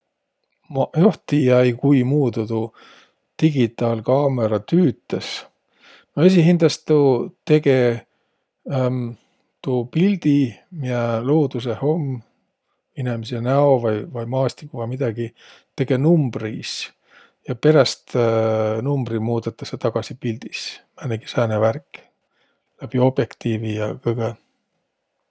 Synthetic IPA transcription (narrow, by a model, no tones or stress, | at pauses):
mɑjoht̪ijæjkujmuːd̪ut̪u | t̪iɡ̥it̪ːˑɑːlkɑːme̞ɾɑt̪yːt̪ːˑes | noes̬iɦind̪̥ɑst̪t̪ut̪e̞ɡ̥e̞ | t̪uːpild̪̥imiælo̞ːd̪̥us̬e̞ho̞mː | inemis̬enæo̞vɑjvɑjmɑːst̪ikːuvɑjmid̪̥ɑɡ̥i | t̪e̞ɡ̥e̞numb̥ris | jɑpe̞ɾɑst̪ | numb̥rimuːd̪et̪ːˑɑ̥set̪ɑɡ̥ɑsipild̪̥ismænːeɡ̥i̥sæːneværkːˑ | læb̥io̞b̥je̞kt̪iːvijɑkɤɡ̥e